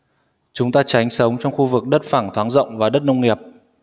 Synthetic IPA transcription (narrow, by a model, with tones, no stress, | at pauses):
t͡ɕʊ˨˦ŋ͡mt̪aː˧t͡ɕa˨˦jŋ̟sə˨˦wŋ͡mt͡ɕɔ˧wŋ͡mxu˧vɨ˨˩k̚ɗə˦˥t̚faː˧˩ŋt̪ʰwaː˨˦nzə̰˧˨wŋ͡mvaː˨˩ɗə˦˥t̚nə˧wŋ͡mŋi˨˩əp̚